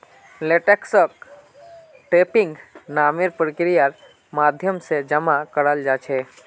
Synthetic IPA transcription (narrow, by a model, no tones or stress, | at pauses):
leːʈeksək | ʈeːpɪ̃ŋɡnaːmeɾpɾəkɾijaɾ | maːd̪ʱjəmsed͡ʒəmakəɽəld͡ʒaːt͡ʃʰe